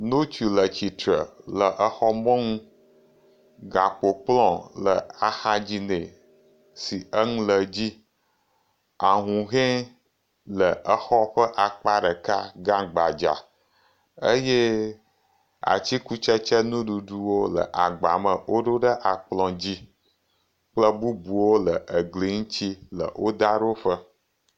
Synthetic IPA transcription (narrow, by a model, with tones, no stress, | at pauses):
nõ˦t͡ɕu˨lə˨t͡ɕi˨t̪ɾə˨lə˨ʔə˦xɔ˦mɔ̃˦ŋũ˦ | ɡa˨k͡po˨k͡plɔ̃˦˨lə˨a˨xa˦d͡ʑi˦ne˨ | si˨ə˦ŋũ˦lə˨d͡ʑi˦ | a˨ɦũ˨ɦɛ̃˦ | lə˨ə˦xɔ˦ɸə˦ʔa˨k͡pa˦ɖə˨ka˦ɡã˦ɡ͡ba˨d͡ʒa̰˨ | ə˦je˦ | a̰˨t͡ɕi˦ku˦t͡ʃə˦t͡ʃɛ˦nũ˦ɖu˨ɖu˦wo˦lə̰˨ʔa˨ɡ͡ba˨mə̃˨wo˦ɖo˦ɖə˦ʔa˨k͡plɔ̃˨d͡ʑi˦ | k͡plə˦bu˦bu˨wo˦lə˨ʔə˨ɡli˨ŋ̩̃˦t͡ɕi˦lə̰˨wo˦d̪a˦ɖo˦ɸə˦